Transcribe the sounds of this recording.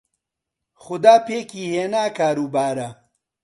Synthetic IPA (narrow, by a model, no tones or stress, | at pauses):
xʊd̪aːpeːkiːheːnaːkaːɾubaːɾɐ